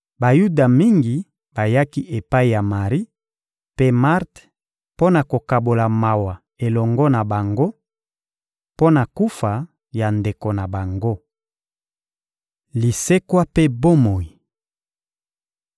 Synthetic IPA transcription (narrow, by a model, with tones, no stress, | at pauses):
ba˨ju˦da˨mi˦ŋɡi˨ | ba˨ja˦ki˦ʔe˨pa˦i˨ja˨ma˨ʁi˦ | pe˦ma˦ʁt | po˦na˨ko˨ka˨bo˨la˨ma˨wa˨ | e˨lɔ˨ŋɡɔ˦na˨ba˨ŋɡo˦ | po˦na˨ku˦fa˨ | ja˨nde˨ko˨na˨ba˨ŋɡo˦ | li˨se˦kwa˦pe˦bo˦mo˨ji˨